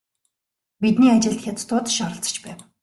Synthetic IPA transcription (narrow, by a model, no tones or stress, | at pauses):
pit̪̚niːat͡ɕɪ̆ɬt̪xʲat̪t̪ʰʊːt̪ʃɔɾə̆ɬt͡sə̥̆t͡ɕpæːw